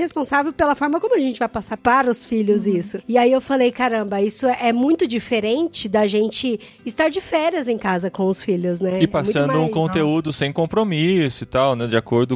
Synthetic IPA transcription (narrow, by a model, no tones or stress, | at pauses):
hespõsavewpelɐfɔɾmɐkõmʊɐʒẽnt͡ʃɪvajpasaɾpaɾɐʊsfiʎʊzisʊɪaiewfalejkaɾɐ̃mbɐisʊʔɛmũj̃t̪ʊd͡ʒifeɾẽnt͡ʃɪd̪ɐʒẽnt͡ʃɪ | ɪst̪aɾd͡ʒɪfɛɾɐzẽj̃kazɐkõw̃ʊsfiʎʊznɛɪpasũsɐ̃nd̪ʊũkõnt̪eud̪ʊsẽj̃kõmpɾomisʊɪt̪awnɛd͡ʒɪakoɾd̪ʊ